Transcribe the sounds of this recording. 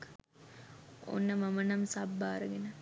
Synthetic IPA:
k | o̰nːəmamənamsabːaːɾəɡenə

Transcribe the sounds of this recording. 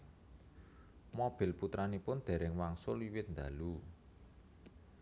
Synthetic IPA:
mob̥ɪ̤lput̪ɾanipʊnd̪̥e̤ɾɪŋwaŋsʊliwɪt̪̚nd̪alu

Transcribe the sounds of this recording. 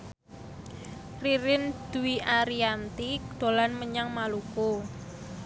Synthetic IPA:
riɾɪnd̪̥ṳwiʔaɾiant̪id̪̥o̤lanməɲaŋmaluko

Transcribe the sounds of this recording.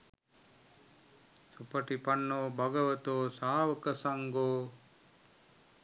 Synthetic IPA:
supɐʈipɐnːoːbɐɡəʋɐt̪oːsaːʋɐkəsɐŋɡoː

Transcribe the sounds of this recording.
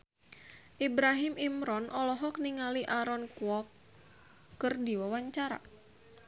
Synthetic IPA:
ʔibɾaɦimimɾɔnʔɔlɔɦɔk̚niŋaliʔaɾɔnkuɔkː | ɨrdiwawaɲt͡ʃaɾa̰

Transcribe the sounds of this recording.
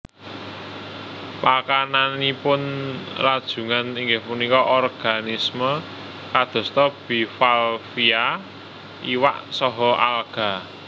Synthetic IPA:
pakananipʊnrad̥ʒ̥ṳŋaniŋɡɪhpunikɔʔɔrɡ̥a̤nismə | kad̪̥ɔ̤st̪ɔb̥i̤falfia | iwa̰ʔsɔɦɔʔa̰lɡ̥a̤

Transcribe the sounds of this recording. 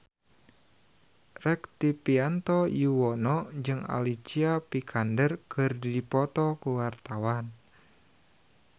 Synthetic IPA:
rɛkt̪ipiant̪ɔjuwɔnɔd͡ʒɨŋa̰lit͡ʃiapikʰandərkɨrdipɔt̪ɔkuwart̪awan

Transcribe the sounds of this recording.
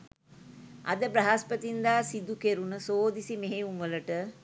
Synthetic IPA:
ʔɐ̰d̪əbɾɐɦaspət̪ind̪aːsid̪ukeɾunəsoːd̪isimeɦeuŋʋələʈə

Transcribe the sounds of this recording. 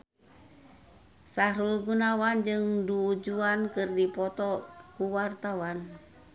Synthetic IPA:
saɾulɡunawand͡ʒɨŋduːd͡ʒuankɨrdipɔt̪ɔkuwart̪awan

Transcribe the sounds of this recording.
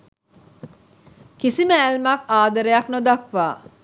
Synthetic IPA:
kisiməælmɐkaːd̪ɐɾejɐknod̪ɐkʋaː

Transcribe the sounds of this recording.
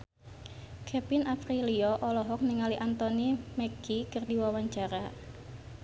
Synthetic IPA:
kʰɛpinafɾiliɔʔɔlɔɦɔk̚niŋaliʔant̪ɔnimɛɡ̥ikərdiwawaɲt͡ʃaɾa

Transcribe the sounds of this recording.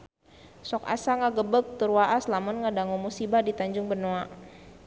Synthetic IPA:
sɔka̰saŋaɡəbək̚t̪uɾuwaʔaslamʊnŋədaŋumusibadit̪aɲd͡ʒʊŋbənoa

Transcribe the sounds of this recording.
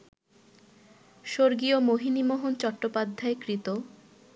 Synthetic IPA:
ʃoɾɡiomoɦinimoɦont͡ɕɔʈːopad̪ʱːaekɾit̪o

